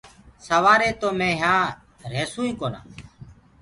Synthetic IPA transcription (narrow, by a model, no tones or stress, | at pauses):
səʋaːɾeːt̪oːmẽːɦãː | ɾeːsũːĩːkoːnã̰ː